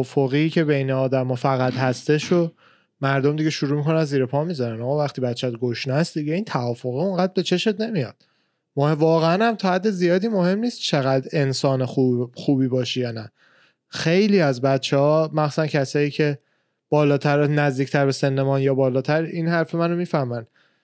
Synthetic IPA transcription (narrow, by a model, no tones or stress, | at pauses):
foɣiːcʰe̞beineɒːd̪æmɒːfæɣæt̪hæst̪eʃod | mæɾd̪omd̪iɡeʃuɾuːmikʰo̞nænziːɾepʰɒmizɒɾænɒːɣɒːvæxt̪iːbæt̪t͡ʃʰæt̪ɡoʃnæsd̪iɟeiːnt̪ʰævɒːfo̞ɣioŋɢæd̪̚be̞t͡ʃʰe̞ʃe̞t̪ne̞mijɒ̰ːd̪̥ | movɒːɣeænhæmt̪ʰɒːhæd̪ːe̞zijɒːd̪iːmohe̞mniːst̪t͡ʃʰe̞ɣæd̪e̞nsɒːnexuxuːbiːbɒːʃijɒːnæ | xe̞jliːæzbæt̪t͡ʃʰːehɒːmæxsu̥sæncʰæsɒːiːcʰe̞ | b̥ɒːlɒːt̪ʰæɾnæzd̪iːkcʰt̪ʰæɾbe̞senːemɒːnjɒːbɒːlɒːt̪ʰæɾinhæɾfemæno̞miːfæhmæn